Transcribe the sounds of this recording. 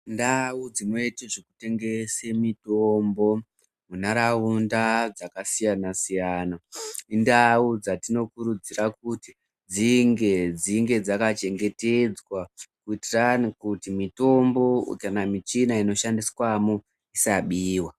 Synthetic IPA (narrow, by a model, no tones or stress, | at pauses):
ndaud͡zimoiteʐeku̥te̞ŋɡesemitombo̞ | munaɾaundad͡zakasijanasijaːnaindaud͡zatino̞kuɾud͡zirakuti | d͡ziŋɡe̞d͡ziŋɡe̞d͡zakat͡ʃe̞ŋɡe̞te̞d͡zwakuitiranikutimito̞mbo̞kanamit͡ʃinaino̞ʃandiswamu | isaɓiːwa